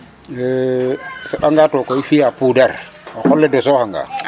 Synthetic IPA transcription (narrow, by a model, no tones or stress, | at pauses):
fɛɓaŋɡatɔkɔifijapudar | axɔlːɛdɔsɔhaŋɡa̰